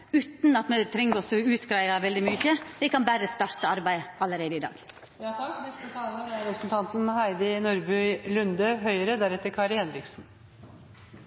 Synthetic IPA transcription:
ʉːt̪n̩ɑt̪mɛt̪ʰɾɛŋːəɔsɔʉːt̪ɡɾæɪʋɑʋɛld̪ɪmyːçəʋɪkɑnbæɾəst̪ɑːɾt̪əɑɾbæɪɑlːəɾeːd̪əɪd̪ɑ̰ːɡ̥̪ | k̪ɛst̪ət̪ʰɑnəɾæɾɛpɾsn̩t̪ʰɑnt̪ənhæɪd̪ɪnuɾbʉʏlʉnd̪əɦœʏəɾəd̪æɾɛt̪ːəɾkʰɑːɾhɛnɾɪksn̩

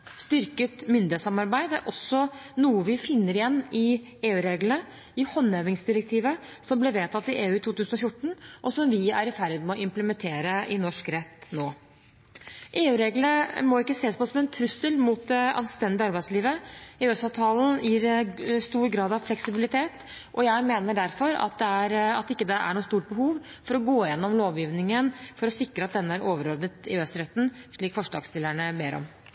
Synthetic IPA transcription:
st̪ʏɾkət̪mʏnd̪ɪɛt̪sɑmɑɾbæɪd̪æ̰ɾʔɔsːɔnuːəʋɪfɪnːəɾɪjɛnːɪ | eːʉːɾeːɡlnə | ɪhɔnːøʋɪŋsd̪ɪɾək̚t̪ʰiːʋə | sɔmblɛʋeːt̪ʰɑt̪ːɪʔeːʉːt̪ʰuːt̪ʉːsn̩ɔfjʊʈːɳ̩ʔɔsɔmʋɪæɾɪfæɾd̪mɛɔʔɪmpləmɛnt̪ʰeːɾəʔɪnɔʂkɾɛt̪ːnoː | ʔeːʉːɾeːɡləmɔɪkːəseːspʰɔɔsɔmɛnt̪ʰɾʉsəlmʊt̪ɛɑ̰nsst̪ɛnd̪ɪɑɾbæɪsliːʋəeːøsɑʋt̪ʰɑːln̩jiːɾst̪uːɾɡɾɑːd̪ɑʋflɛksɪbɪlɪt̪ʰeːt̪ | ʔɔjæɪmeːnəɖæɾfɔɾɑ̰t̪̚d̪ɛæɾɑt̪ɪkːəd̪ɛʔæ̰ɳuːst̪uːʈ̚bəhuːʋ | fɔɾɔɡoːɪjɛnːɔmloːʋjiːʋnɪŋənfɔɾɔsɪkɾəɑt̪̚d̪ɛnːəæɾʔoːʋəɾoːd̪ət̪ɪ̰øːst̪ɾɛt̪ːn̩ʂɭiːkfɔʂɖɑ̰ːɡst̪ɪlːəɳəbeːɾɔ̰m

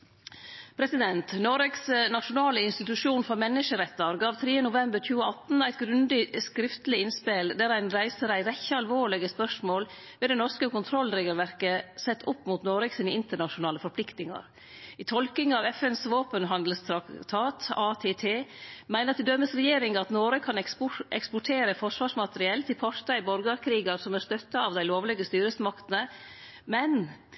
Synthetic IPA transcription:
pʰɾɛsɪd̪ɛnt̪nɔɾɛɡsnɑʃʊnɑːləɪnst̪ɪt̪ʉʂuːnfɔɾmɛnːɪʃəɾɛt̪ːəɾɡɑːʋt̪ʰɾiːənʊʋɛmbəɾçʉːəɑt̪n̩æɪt̪ɡɾʉnd̪ɪskɾɪft̪lɪɪnspeld̪æɾæɪnɾæɪsəɾæɪɾɛçəɑlʋoːɭɪɡəspœʂmoːl | ʋɛːd̪ɛnɔɾskəkʊnt̪ʰɾɔlːɾeːɡəlʋæɾkəsɛt̪ːʊpːmʊːt̪noːɾɛksɪnəɪnt̪əɳɑʃʊnɑːləfɔɾpʰlɪkt̪nɪŋɑ̰ɾ | ɪt̪ʰɔlkɪŋɑʋɛfɛnsʋoːpənɦɑnd̪əl̩st̪ʰɾɑt̪ʰɑːt̪ɑːt̪ʰeːt̪ʰeːmæɪəɾɑt̪ɪd̪œməsɾɛjeːɾɪŋɑt̪noːɾəkʰːɑnɛpʊɛ̰kspʊʈʰeːɾəfɔʂʋɑːʂmɑt̪əɾɪɛlt̪ʰɪlpʰɔɾt̪ɑɪbɔɾɡɑɾkʰɾiːɡəɾsɔmæɾst̪œt̪ːɑɑʋd̪æɪloːʋlɛɡəst̪yːɾəsmɑkt̪ənə | mɛn

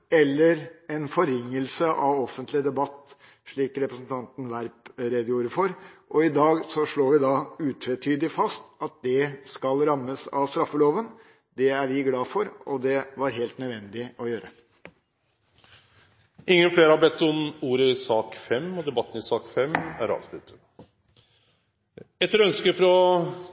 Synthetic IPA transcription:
ɛlːəɾɛnfɔɾɪŋːəlsəʔɑʋɔfːənt̪lɪəd̪ɛbɑt̪ː | ʂɭiːkɾɛpɾəsn̩t̪ʰɑnt̪n̩ʋæɾpɾed̪juːɾəfɔɾʔɔɪd̪ɑːɡsɔʂɭoːʋɪd̪ɑʉːt̪ʰɾɛt̪ʰyːd̪ɪfɑst̪ɑt̪̚d̪ɛskɑlɾɑmːəsɑ̰ʋst̪ɾɑfːəloːʋən | d̪ɛæɾʋɪɡlɑːfɔɾɔd̪ɛʋɑɾɦeːlt̪nœd̪ʋɛnd̪ɪɔjøːɾə | ɪŋːənfleːɾəhɑbɛt̪ːɔmuːɾəɪsɑːkfɛmːɔd̪ɛbɑt̪ːən̩ɪsɑːkfɛmæɾɑ̰ːʋslʉt̪ːə̥t̪ | ɛt̪ːəɾɔœnskəfɾɔ

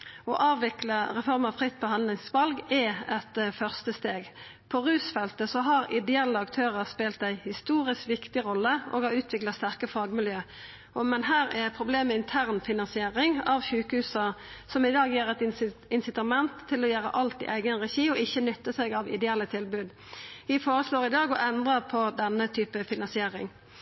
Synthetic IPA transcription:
ɔʔɑːʋʋɪkləʁɛfɔʁməɑʋfʁɪt̪̚ːpʰɔhɑnlɪŋsʋɑlɡɛɛt̪fœʁst̪əst̪eːɡ | pʰɔʁʉːsfɛlt̪əsɔɦɑɾɪd̪ɛɛlːəɑkt̪ʰøːʁəʁspeːlt̪æɪhɪst̪uːʁɪskʋɪkt̪ɪʁɔlːəʔɔ̰ːɡɑʉːt̪ʰʋɪklɑt̪st̪æʁkəfɑːɡmɪljøː | ɔmɛnɦæːɾæpʰʁʊbleːmɛɪnt̪ʰæʁnfɪnɑnsɪeːʁɪŋɑʋçʉːkəhʉːsɑsɔmɪd̪ɑːɡjeːɾɛt̪ɪnsɪt̪ɑmɛnt̪ʰːɪlɔjøːɾə̰ʔɑlt̪ɪ̰ʔæɪɡənʁɛçiːɔɪçːənʏt̪ːəsɛɡɑʋɪ̰d̪ɛɛlːət̪ʰɪlbʉːd̪ | ʋɪfoːʁəsloːʁɪd̪ɑːɡɔʔɛnd̪ʁɑpʰɔd̪ɛnːət̪ʰyːpəfɪnɑnsɪeːʁɪ̰ŋ

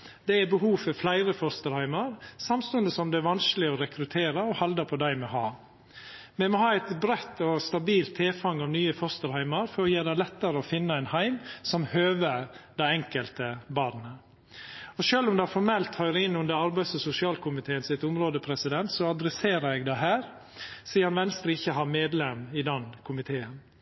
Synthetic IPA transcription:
d̪̥ɛæbəɦuːfɔflæɪɾəfɔɾst̪əɾhæɪməɾsɑmst̪ʉnd̪əsɔmd̪ɛæʋɑnsklɪɔɾɛkɾʉt̪ʰeːɾəɔhɑld̪əpʰɔd̪æɪmɛɦɑː | mɛmɔhɑːæɪt̪bɾɛt̪ːɔst̪ɑbiːlt̪ʰːeːfɑŋːɑʋnyːəfɔɾst̪əɾhæɪməɾfɔɾɔjeːd̪æɪlɛt̪ːəɾəɔfɪnːəæɪnhæɪmsɔmhøːʋəɾd̪æɪɛŋkəlt̪əbɑːɾnə | ɔʃøːlʊmd̪ɛæfɔɾmɛlt̪hœʏɾəɪnːʉnd̪əɾɑɾbæɪsɔsʊsɪɑːlkʰʊmɪt̪ʰeːənsɪt̪ʊmɾoːd̪əpʰɾɛsɪd̪ɛnt̪sɔɑd̪ɾɛseːɾəɛɡd̪æɪɦæːɾ | siːɑnʋɛnst̪ɾəɪçːəɦɑːɾmeːd̪lɛmɪd̪ɛnkʰʊmɪt̪ʰeːən

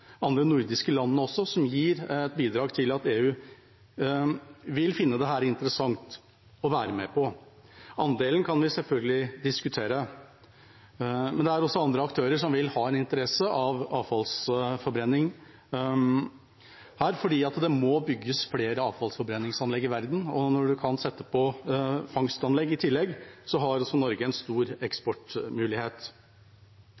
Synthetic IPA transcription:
ɑnd̪ɾənʊɾd̪ɪskəlɑnːəɔsːɔsɔmjiːɾɛt̪̚biːd̪ɾɑːɡt̪ʰɪlɑt̪eːʉː | ʋɪlfɪnːəd̪ɛɦæːɾɪnt̪əɾəsɑŋt̪ | ɔʋæːɾəmɛpʰɔ | ɑnd̪eːlənkʰɑnʋɪsɛlfœlɡəlɪd̪ɪskʉt̪ʰeːɾə | mɛnd̪ɛæɾɔsːɔɑnd̪ɾəɑk̚t̪ʰøːɾəʂɔmʋɪlhɑːɛnɪnt̪əɾɛsəʔɑʋɑːʋfɑlsfɔɾbɾɛnːɪŋ | hæːɾfɔɖiːɑt̪d̪ɛmɔbʏɡːəsfleːɾəɑːʋfɑlsfɔɾbɾɛnːɪŋsɑnlɛɡːɪʋæɾd̪n̩ɔnɔɖʉkʰɑnsɛt̪ːəpʰɔfɑŋst̪ɑnlɛɡːɪt̪ʰɪlːɛɡsɔɦɑɾɔsːɔnɔɾɡəɛnst̪uːɾɛkspɔʈmʉːlɪheːt̪

